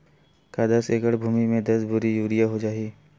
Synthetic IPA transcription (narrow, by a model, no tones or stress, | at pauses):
kad̪ɐseːkəɽbʱuːmimẽd̪ɐsbʱʊɾijuːɾijaɦod͡ʒaːiː